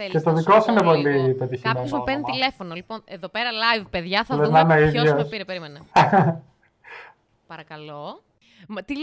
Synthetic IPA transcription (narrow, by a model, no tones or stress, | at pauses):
ce̞t̪o̞ðikosuinepo̞lipet̪içimenzmupent̪ilefo̞noliponeðopeɾɐlɐjvpeðʝɐθɐlenɐnoiðʝosiɾepeɾimenɐ | pɐɾɐkɐlo | mt̪i